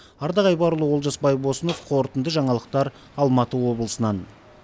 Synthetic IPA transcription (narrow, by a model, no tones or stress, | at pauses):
ɑɾd̪ɑʁɑjbɑɾulˠəwolˠʒɑsbɑjbo̞səno̞fqʰo̞ɾt̪ənd̪əʒɑɴɑlˠəq̚t̪ɑɾ | ɑlˠmɑt̪əwo̞bəlˠəsənɑn